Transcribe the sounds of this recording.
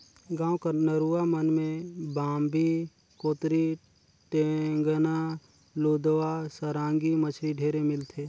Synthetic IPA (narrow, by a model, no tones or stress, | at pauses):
ɡãːwkənəɾuːamənmẽbaːmbi | koːt̪ɾi | ʈeŋɡəna | loːd̪ʋasəɾãːŋɡimət͡ʃʰɾiɖʱeːɾemɪlt̪ʰeː